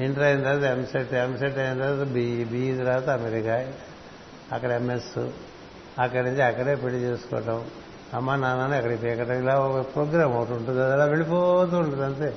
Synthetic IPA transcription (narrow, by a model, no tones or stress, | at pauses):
iɳʈɐɾɐjind̪aːt̪emseʈːemseʈːɐjind̪aːt̪bibid̪ɐɾaːt̪aɐmeɾikaː | ɐkːɐɽɐemesu | ɐkːɐɽnuɲt͡ʃiɐkːɐɽeːpelːit͡ʃeːsu̥kɔ̰ːɐʈɐm | ɐmːaːnaːnaːnuɐkːɐɽɐpeːkɐʈɐmilaːɔkɐpɾoːɡɾaːmɐwɐʈuɳʈund̪ad̪ɐlaːʋeɭip̬ɔːt̪uuɳɖɐd̪ɐnt̪eː